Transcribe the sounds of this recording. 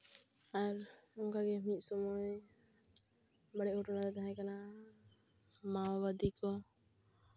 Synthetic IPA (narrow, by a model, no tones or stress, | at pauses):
aɾɔŋkaɡɛmit̪̚ˀsɔmuj | baɽɛʔhɔʈɔnalɛt̪aɦãjkana | mawbad̪ikɔ